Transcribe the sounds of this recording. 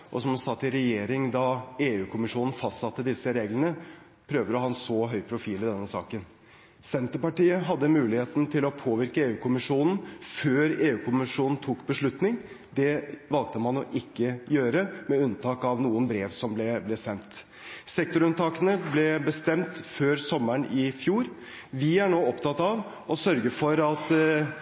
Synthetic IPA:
ʔɔsɔmsɑt̪ːɪɾɛjeːɾɪŋd̪ɑeːʉːkʰʊmɪʂuːnn̩fɑst̪sɑt̪ːəd̪ɪsəɾeːɡlənə | pʰɾøːʋd̪əɔhɑːɛnsɔɦœʏpʰɾʊfiːlɪd̪ɛnːəsɑ̰ːkən | sɛnt̪əpɑʈiːəɦɑd̪ːəmʉːlɪheːt̪n̩t̪ʰɪlɔpʰoːʋɪɾkəeːʉːkʰʊmɪʂuːnn̩føːɾeːʉːkʰʊmɪʂuːnn̩t̪ʰuːkbəʂɭʉt̪nɪŋ | d̪ɛʋɑlɡ̚t̪əmɑnɔ̰ʔɪkːəjøːɾəmɛʉnt̪ʰɑːkɑʋnuːənbɾeːʋsɔmblɛblɛsɛnt̪ | sɛkt̪ʊɾʉnt̪ʰɑːkənəblɛbəst̪ɛmt̪føːɾsɔməɳɪfjuːɾ | ʋɪæɳoːɔpt̪ʰɑt̪ːɑʋ | ɔsœɾɡəfɔɾɑt̪

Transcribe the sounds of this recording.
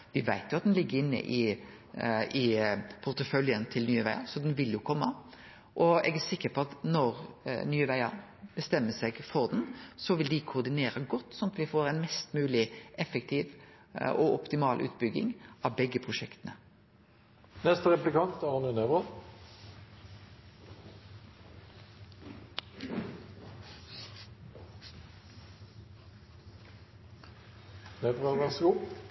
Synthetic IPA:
ʋɪʋæɪt̪jʊɑt̪̚d̪ɛnlɪɡːəɾɪnːə̰ʔɪ | ɪpʰʊɾt̪əfœljənt̪ʰɪlnyːəʋæɪɑsɔd̪ɛnʋɪljʊkʰɔmːə | ʔɔɛ̰ɡæsɪkːəpʰɔɑt̪nɔɾnyːəʋæɪɑ | b̥əst̪ɛmːəsɛɡfɔɾd̪nsɔʋɪld̪ɪkʰʊːɾd̪ɪneːɾɑɡɔt̪ːsɔnɑt̪ʋɪfoːɾɛɪnmɛst̪mʉːlɪʔɛfːək̚t̪ʰiːʋ | ɔʔɔpt̪ɪmɑːlʔʉ̰ːt̪bʏɡɪ̰ŋɑʋbɛɡːəpʰʁʊʃɛkt̪nə | nɛst̪əʁɛplɪkɑnt̪ɑʁnənɛbəʁ | nɛbʁəʁʋæʁsəɡuː

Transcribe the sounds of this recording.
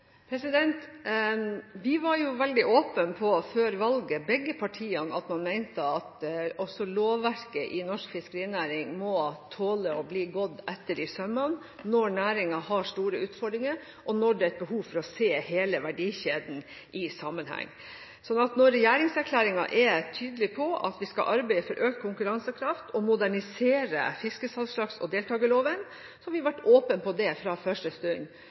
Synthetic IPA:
pʰɾɛsɪd̪ɛnt̪ | ʋɪʋɑɾjʊʋɛld̪ɪʔoːpənpʰɔføːɾʋɑlɡəbɛɡəpʰɑʈʰiːɑnɑt̪mɑnmæɪnt̪əɑt̪ɔsɔloːʋːæɾkəʔɪnɔʂkfɪskəɾiːnæːɾɪŋmɔt̪ʰoːləɔbliːɡɔd̪ːɛt̪ːəɖɪsœmɑn | nɔɳæːɾɪŋɑhɑʂʈ̪uːɾəʉːt̪fɔɖɾɪŋəɾ | ʔɔnɔɖɛæt̪̚bəɦuːfɔɾɔseːheːləʋæɖiːçeːd̪n̩ | ʔɪsɑmənhæ̰ŋː | sɔnːɑt̪nɔɾːɛjæːɾɪŋsæɾkʰlæːɾɪŋɑ̰ʔɛt̪ʰyːd̪əlɪpʰɔʔɑ̰t̪ʋɪskɑ̰ʔɑɾbæɪəfɔɾʔøːkt̪kʰʊŋkʉɾɑnsəkʰɾɑft̪ʰɔmʊd̪æɳɪseːɾə̰fɪskəsɑlʂlɑksɔd̪eːlt̪ɑːɡəloːʋən | sɔhɑʋɪʋɑʈːoːpənpɔd̪ɛfɾɑfœʂʈəst̪ʉɲ

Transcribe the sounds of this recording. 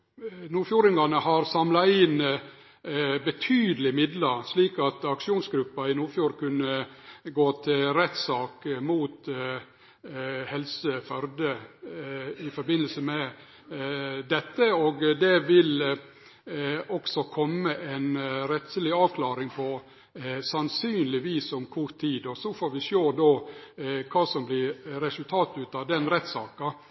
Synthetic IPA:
nuːfjuːɾɪŋɡɑnəhɑɾsɑmlɑɪn | bət̪ʰyːd̪əlɪmɪd̪lɑɾʂliːkɑt̪ɑkʂɪuːnsɡɾʉpːɑɪnuːfjuːɾkʉnːəɡoːt̪ʰɪɾɛt̪sɑːkmuːt̪ | hɛlsəfœɾd̪ə | ɪfɔɾbɪnːəlsəmɛ | d̪ɛt̪ːəoːɡd̪ɛʋɪl | ɔksɔkʰɔmːəʔɛnɾɛt̪səlɪɑːʋkʰlɑːɾɪŋpʰɔ | sɑnsyːnlɪʋiːsʊmkʰʊɾt̪ʰːiːd̪ɔsɔfoːɾʋɪʃoːd̪oː | kʰɑːsɔmblɪɾɾɛsʉlt̪ʰɑːt̪ʉːt̪ɑʋd̪ɛnɾɛt̪sɑːkɑ

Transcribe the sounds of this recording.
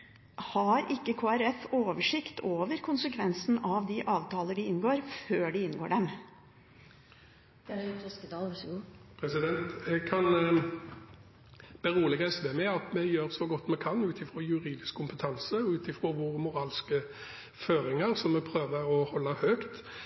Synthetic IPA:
hɑɾʔɪkːəkʰoːæɾɛfoːʋəʂɪkt̪ʰoːʋəɾkʰʊnsəkʰʋɛnsn̩ɑʋd̪ɪʔɑːʋt̪ʰɑːləɖɪɪnɡoːɾføːɖɪɪnːɡoːɖɛm | t̪ʰɔskəd̪ɑɡpʰɾɛsɪd̪ɛnt̪ɛɡkʰɑn | b̥ɛɾuːlɪɡɛsʋɛmɛɑt̪mɛjøːɾsɔɡɔt̪ːmɛkʰɑnʉːt̪ɪfɾojʉɾiːd̪ɪskʰːʊmpət̪ʰɑnsəɔʉːt̪ɪfɾoːʋoːʁəmʊɾɑːlskə | føːɾɪŋəɾsɔmːɛpʰɾøːʋəɔhɔlːəhøːkt̪

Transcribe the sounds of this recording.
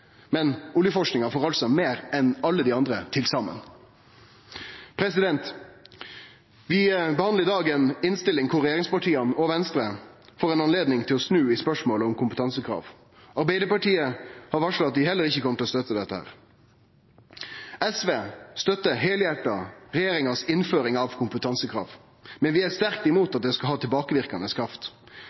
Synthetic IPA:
mɛnʊljəfɔʂknɪŋɑfoːʁɑlsɔmeːɾɛnɑlːəd̪iːɑnd̪ʁət̪ʰɪlsɑmə̰n | pʰɾɛsɪd̪ɛnt̪ | ʋɪbəhɑnd̪əʁɪd̪ɑːɡɛːnɪnst̪ɪlːɪŋkʰʊɾʁːɛjeːʁɪŋspɑʈʰiːɑnɔʋɛnst̪ɾəfoːʁɛnɑnleːd̪nɪŋt̪ʰɪlɔsnʉːɪspœʂmoːləɔmkʰʊmpət̪ʰɑnsəkʰʁɑ̰ːʋ | ɑɾbæɪd̪əpɑʈiːəhɑɾʋɑʂlʊɑt̪̚ʋ̪ɪhɛlːəɾɪçːəkʰɔmət̪ɪlɔst̪œt̪ːəd̪ɛt̪ːəhæ̰ːʁ | ɛsʋeːst̪œt̪ːəɦeːljæʈːɑɾɛjeːɾɪŋɑsɪnføːɾɪŋɑʋkʰʊmpət̪ʰɑnsəkʰʁɑ̰ːʋ | mɛnʋɪæst̪æɾk̚t̪ɪmuːt̪ɑt̪̚d̪ɛskɑɦɑːt̪ʰɪlbɑːkəʋɪʁkɑnəskʰɾɑft̪

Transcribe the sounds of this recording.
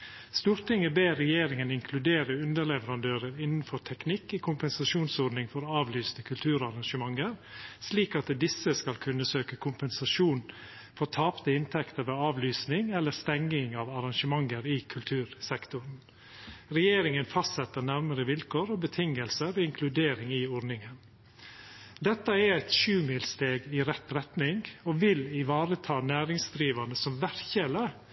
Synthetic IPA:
st̪uːɾt̪ɪŋəbeːɛjeːɾɪŋənɪŋkʰlʉd̪eːɾəʉnd̪əɾɭɛʋəɾɑnd̪øːɾəɾɪnnfɔɾt̪ʰɛknɪkːɪkʰʊmpɛnsɑʂuːnsɔɾnɪŋfɔɾɑːʋlyːsnəkʰʉlt̪ʰʉːɾɑɾɑŋʃəmɑŋəɾsliːkɑt̪d̪ɪsːəskɑlkʰʉnːəsøːkəkʰʊmpɛnsɑʂuːn | fɔɾt̪ʰɑːpt̪əɪnt̪ʰɛkt̪əɾʋeːɑːʋlyːsnɪŋɛlːəst̪ɛŋːɪŋɑːʋɑɾɑŋʃəmɑŋːəɾɪkʰʉlt̪ʰʉːɾsɛkt̪ʊɾn | ɾɛjeːɾɪŋənfɑst̪sɛt̪ːəɾnæɾməɾəʋɪlkʰoːɾɔbət̪ʰɪŋːəlsəɾɔɪŋkʰlʉd̪eːɾɪŋɪɔɾnɪŋən | d̪ɛt̪ːəɛɾæɪt̪ʃʉːmɪlst̪eːɡɪɾɛt̪ːɾɛt̪nɪŋɔʋɪlɪʋɑːɾət̪ʰɑːnæːɾɪŋsd̪ɾiːʋɑnəsɔmʋæɾçɛlə

